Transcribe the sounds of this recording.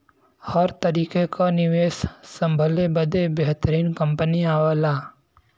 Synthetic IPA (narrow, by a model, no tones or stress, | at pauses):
hɔɾt̪əɾiːkekanɪʋeːssɐ̃mbʱəlebəd̪ebeɦt̪əɾiːnkɐ̃mpəniaːʋəlaː